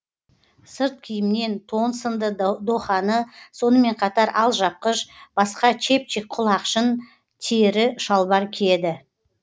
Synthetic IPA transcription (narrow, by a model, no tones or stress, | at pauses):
səɾt̪̚kʲʰɪjɪmne̞nt̪ʰo̞nsənd̪əd̪oχɑnəso̞nəme̞ɴqʰɑt̪ɑɾʔɑlˠʒɑp̚qəʃb̥ɑsqɑt͡ʃʰe̞p̚t͡ʃik̚qʰʊlˠɑqʃən | t̪ʰeɾɪʃɑlˠbɑɾkʲʰed̪ɪ